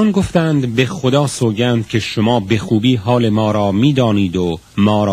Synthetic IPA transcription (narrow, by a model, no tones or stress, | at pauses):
nɡoft̪æːnd̪be̞xod̪ɒːsoːɟæːnd̪̥̚cʲʰe̞ʃomɒːbe̞xuːbiːɦɒːle̞mɒːɾɒːmiːd̪ɒːniːd̪o | mɒːɾː